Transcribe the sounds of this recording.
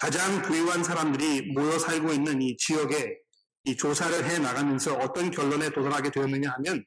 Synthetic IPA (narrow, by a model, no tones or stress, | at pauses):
kad͡ʑaŋkujuɦansʰaɾamdɯɾimojʌsʰaɭɡoinːɯnit͡ɕijʌɡe̞ | it͡ɕosʰaɾɯɭɦe̞naɡamjʌnsʰʌʌt͈ʌnkjʌɭːone̞todaɾɦaɡe̞dwe̞ʌnːɯɲaɦamjʌn